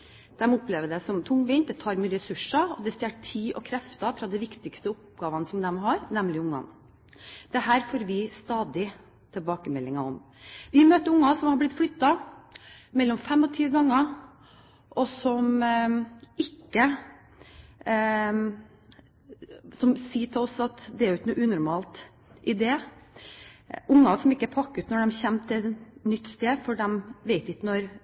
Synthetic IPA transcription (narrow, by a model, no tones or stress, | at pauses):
d̪̥ɛmɔpleːʋəɖɛsɔmt̪ʰʊŋːʋiːn̚d̪ɛt̪ʰɑːɾmɛɛsʉʂɑɔd̪ɛst̪eːʈt̪ʰiːʔɔkʰɾɛft̪ɑfɾɑd̪ɛʋɪkt̪ɪkst̪əʊp̚ɡɑːʋɑnəsɔmd̪ɛmɦɑːɾnɛmlɪʊŋːɑ̰n | d̪̥ɛɦæːɾfoːɾʋɪst̪ɑːd̪ɪ | t̪ʰɛlbɑːkəmɛlːɪŋɑɔm | ʋɪmøːt̪əɾʊŋːɑsɔmhɑɾblɪt̪ːflʏt̪ːɑ | mɛlːɔmfɛmːɔt̪ʰiːɡɑŋːɑ | ʔɔsɔm | ɪkːə | sɔmsiːʈʰɪlɔsɑt̪d̪ɛæɾɪk̪nuːʔʉːnʊɾmɑːlt̪ | ʔɪd̪eː | ʊŋːɑsɔmɪkːəpʰɑkːʉt̪nɔɖɛmçɛmːt̪ʰɪlɛnʏt̪ːst̪eːfɔɖɛmʋeɪt̪ɪkːənɔɾ